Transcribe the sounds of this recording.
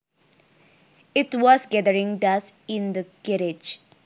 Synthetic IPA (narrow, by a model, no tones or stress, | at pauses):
itwɔsɡɛdəɾĩŋdasĩnd̪əɡiɾid͡ʒ